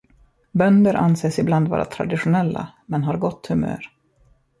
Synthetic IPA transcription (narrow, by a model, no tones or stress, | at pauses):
bœnd̪əɾʔanseːsɪbland̪vɑ̰ːɾa̰t̪ʰɾa̰d̪ɪɧʊnɛlːa̰mɛnɦaɾɡɔt̪ːhɵmø̰ːɾ